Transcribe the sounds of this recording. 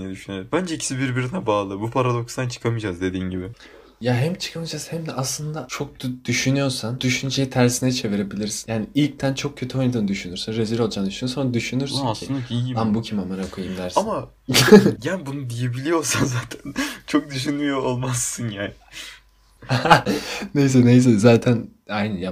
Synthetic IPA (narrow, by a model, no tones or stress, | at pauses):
nɛd̪yʃynbænd͡ʒɛicʰi̥sibiɾbiɾinɛbaːlˠɯbupʰaɾad̪o̞kst̪ant͡ʃʰɯ̥kʰamɯd͡ʒazd̪e̞d̪iːnɟibɪ | jaɦɛmt͡ʃʰɯ̥kʰamɯd͡ʒaz̥hɛmd̪ɛʔaslˠɯnd̪at͡ʃʰo̞k̪̚d̪̥yʃynyjo̞ɾsand̪̥yʃynd͡ʒe̞jit̪ʰæɾsinɛt͡ʃʰe̞viɾe̞bilʲiɾsinjaːniilʲc̚t̪ʰænt͡ʃʰo̞k̚cʰːø̞t̪ʰyho̞jnad̪ɯnɯd̪yʃynyɾsynɾeziɾo̞lˠd͡ʒand̪yʃynyjosanad̪yʃynyɾsynscʰiɯnd̪iiɟiambucʰimamaɾakʰojɯmd̪æɾsama | jænbunud̪ijebilʲijo̞ɾsanzaːt̪ʰænt͡ʃʰo̞k̚d̪yʃ̬ynmijoolˠmasːɯnjaːnɪ | ne̞js̬ɛne̞js̬ɛzaːt̪ʰæn | ajnɯja